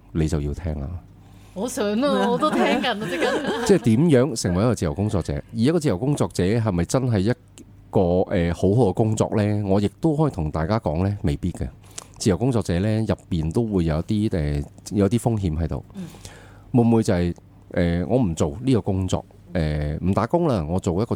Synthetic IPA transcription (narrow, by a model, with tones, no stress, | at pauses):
le˨˧jt͡sɐ˨wjiː˧t̪ʰɛː˥ŋla̰˨ | ɔ˨˧sœː˨˥ŋa˧ɔ˨˧t̪o˥t̪ʰɛː˥kɐ˨˩n˧i˥kɐ˧nt͡sɛː˥˩t̪iː˨˥mjœː˨˥ŋsɪ˨˩ŋwɐ˨˩jɐ˥kɔː˧t͡siː˨˩ɐ˨˩wkʊ˥ŋt͡sɔː˧k̚t͡sɛ̰ː˨˧˥ji˨j̚kɔː˧t͡siː˧˨˩jwkʊ˥ŋt͡sɔː˧k̚t͡sɛː˨˥ɦɐ˨jmɐ˨jt͡sɐ˥nɦɐ˨jːɐ˥t̚ | kɔː˧ʔɛː˨˩ho˨˥wɦo˨˧wkɛ˧kʊ˥ŋt͡sɔ̰ː˧k̚lɛː˥ŋɔː˨˧jɪ˨k̚t̪o˥hɔː˨˥jt̪ʰʊ˨˩ŋt̪aː˨˩jkaː˥kɔː˨˥ŋlɛː˥me˨jpiː˥t̚kɐ̰˧ | t͡siː˧˩jɐ˨˩wkʊ˥ŋt͡sɔː˧k̚t͡sɛː˨˧˥lɛː˥jɐ˨pːiː˨nt̪o˥wwuː˨˧jːɐ˨˧wɐ˥t̚t̪iː˥ɛː˨˩jwɐ˥t̪iː˥fʊ˥ŋɦiː˨˥mhɦɐ˨˥jt̪o̰˨˧w | wʊ˨˧˩muː˨˧jt͡sɐ˨hɐ˨j | ʔɛː˨˩ŋʔɔː˨˧m̩˨˩t͡so˨wniː˥kɔː˧kʊ˥ŋt͡sɔ̰ː˧k̚ | ɛː˨˩m̩˨˩t̪aː˨˥kʊ˥ŋlaː˧ŋɔː˨˧t͡so˨wjɐ˥kɔ˧